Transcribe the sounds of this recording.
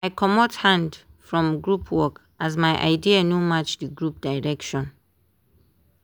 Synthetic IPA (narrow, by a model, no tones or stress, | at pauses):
ajkʰɔmɔthãndfɹɔ̃mɡɹupʰwɔk | ʔazmaɪʔa̰ɪdianomat͡ʃdiɡɹup̚d̥aɪɹɛkʃɔ̃n